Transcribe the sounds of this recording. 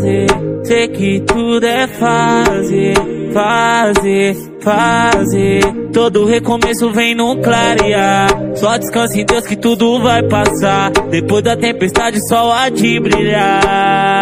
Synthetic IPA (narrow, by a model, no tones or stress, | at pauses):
zesekɪt̪ud̪ʊɛɛfazeɾfazeɾ | fazet̪od̪ʊːhekomesʊvẽj̃nũklaɾiasɔad͡ʒiskɐ̃sʊẽj̃d̪ewskɪt̪ud̪ʊvajpasad̪epojzd̪ɐt̪ẽpest̪ad͡ʒɪsɔad͡ʒibɾiʎa